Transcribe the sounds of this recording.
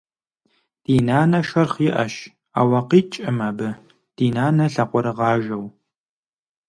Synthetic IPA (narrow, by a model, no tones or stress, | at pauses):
d̥iːnaːnɐʃɐrχiʔɐ̰ʃ | a̰ːwɐqiːt͡ʃʼɪmaːbɨ | d̥iːnaːnɐɬɐqʷɔɾɨʁɑːʒɐw